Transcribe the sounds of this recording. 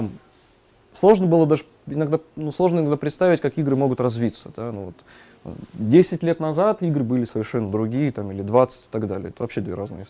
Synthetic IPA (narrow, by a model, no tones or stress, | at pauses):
t̪am | slˠo̞ʐnəbɨlˠəd̪aʐɨ | ɪnɐɡd̪anuslˠo̞ʐnəɪnɐɡd̪apɾʲɪt̪st̪avʲɪtʲkakiɡɾɨmo̞ɡʊt̪rɐzvʲit̪səd̪̥anuvo̰t̪ | dʲesʲɪtʲlʲet̪nɐzat̪iɡɾɨbɨlʲɪsəvʲɪrʂɛnːəd̪ɾʊɡʲijət̪amilʲɪd̪vat̪sə̥tʲɪ̥t̪aɡd̪alʲɪ̰əɛt̪əvɐpɕːed̪vʲḛɾaznɨ̰jə